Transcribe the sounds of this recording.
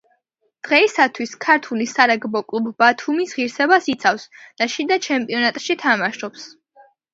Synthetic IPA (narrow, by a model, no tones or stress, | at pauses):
d̪̥ʁɛisat̪ʰwiskʰaɾt̪ʰulisaɾaɡbɔkʼlˠubːat̪ʰumisʁiɾsɛbasit̪sʰafsd̪̥aʃid̪at͡ʃʰɛmpʼiɔnat̪ʼʃit̪ʰamaʃɔps